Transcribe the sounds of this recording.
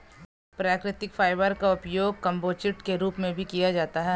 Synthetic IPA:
pɾaːkɾɪt̪ɪkfʰaːɪʋəɾkaʊpjoːɡ̚kɐ̃mboːt͡ʃɪʈkeɾuːpmẽbʱikijad͡ʒaːt̪aɦɛ

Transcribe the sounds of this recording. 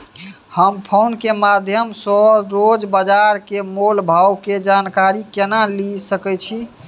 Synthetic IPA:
həmpʰonkemad̪ʱjəmsɔɾod͡ʒbad͡ʒaɾkemolbʱawked͡ʒankaɾikenalisəkɛt͡ʃʰi

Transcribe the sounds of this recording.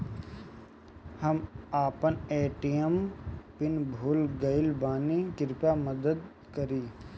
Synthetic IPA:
hɐmaːpəneːʈijəmpɪnbʱuːlɡɐɪlbaːnikɪɾpaməd̪əd̪ | kəɾiː

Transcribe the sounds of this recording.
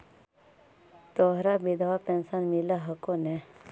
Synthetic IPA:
t̪ɔɦɾabid̪ʱaʋapɛnsanmilaɦəkone

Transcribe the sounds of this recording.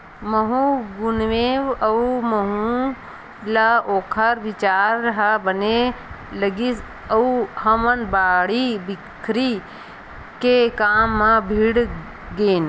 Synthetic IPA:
məɦũɡʊnʋeːʋəuməɦũ | laoːkʰəɾʋɪt͡ʃaːɾːɐɦabəne | ləɡis | ɐuhɐmənbaːɽibɪkʰɾi | kekaːmːãbʱiɽ | ɡeːn

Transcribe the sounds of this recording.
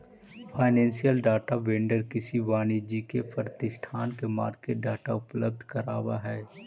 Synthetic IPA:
pʰaːɪnɛ̃ːnsijəlɖaːʈaʋẽːɳɖəɾkɪsiʋaːnid͡ʒikepɾɾət̪ɪʃʈʰaːnkema̰ːɾkeɖaːʈaʊpləb̚d̪ʱkɐɾaːwaɦɛː

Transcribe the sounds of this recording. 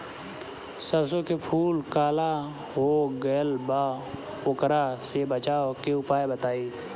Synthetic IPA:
səɾs̬õkepʰuːlkaːla | ɦoːɡəːlbaː | ʊkɾaːsebət͡ʃaːokeʊpaːebət̪aːiː

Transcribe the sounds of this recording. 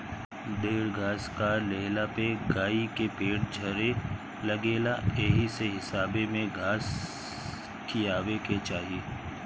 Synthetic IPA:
d̪eːɾɡʱaːskaleːɦlapeɡaːikepeːɽd͡ʒʱɐɾe | lɐɡeːlaeːɦiseɦɪsaːbemẽɡʱaːs | kijaːweket͡ʃaːɦieː

